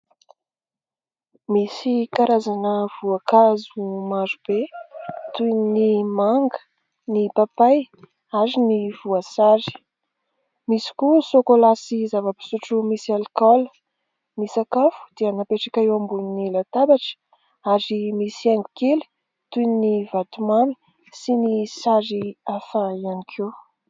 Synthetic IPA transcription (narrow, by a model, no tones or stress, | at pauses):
misikaɾazanəv̥uakazumazub̥et̪unnimaŋɡə̥ | nipapaj | aɾiniv̥uasazi̥ | misi̥kusokolasizavəpi̥suʈ͡ʂumisialkɔlə̥ | nisakafu̥d̪eanapeʈ͡ʂḁkʲaewambuninilat̪abaʈ͡ʂə̥ | aɾimisiaŋɡukeli̥ | t̪uninivat̪umami̥ | sinisaɾiafaianikʰew